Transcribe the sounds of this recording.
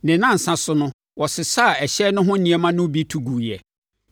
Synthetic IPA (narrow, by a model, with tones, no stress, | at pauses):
nɪ̃˨nã˦˨n̩˨sã˦sʊ˦nʊ̃˦ | wɔ˨sɪ˨sa˦˨ɛ˨ɕɛ˦nʊ̃˦ɦʊ̃˦n̩˦nĩ˨ɛ˨mã˦nʊ̃˦bi˦tʰu˦ɡu˨jɛ˨